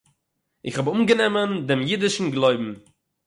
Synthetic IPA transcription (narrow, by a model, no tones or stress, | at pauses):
ɪχhɔbʊmɡənɛməndɪmjidɪʃn̩ɡlˠoɪbm̩